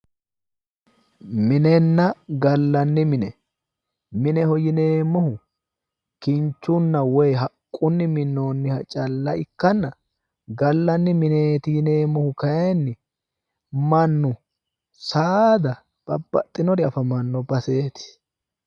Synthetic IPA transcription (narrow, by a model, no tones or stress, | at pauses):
mɪnɛnːɐɡɐlːɐnːɪmɪnɛ | mɪnɛhɔjɪne̞ːmːɔhʊ | kɪnt͡ʃːʊnːɐwɔjɦɐkʼːʊnːɪmɪnːo̞ːnːɪhɐt͡ʃʼɐlːɐɪkːɐnːɐ | ɡɐlːɐnːɪmɪneːt̪ɪjɪne̞ːmːɔhʊkɐjɛnːɪ | mɐnːʊ | saːd̪ɐ | b̥ɐ̰bːɐ̰t̪ʼːɪnɔɾɪɐfɐmɐnːɔbɐse̞ːt̪ɪ̥